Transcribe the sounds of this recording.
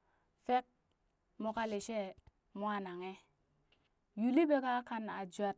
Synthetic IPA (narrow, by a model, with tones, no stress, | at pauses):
fe˦k̚ | mo˨ka˦le˨ʃe˦˨ | mwa˦na˨ŋe˦ | ju˨li˦be˦ka˦ka˦na˨d͡ʒu˦a˦t̚